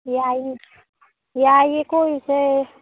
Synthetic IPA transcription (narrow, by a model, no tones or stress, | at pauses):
jaji | jaːjekoise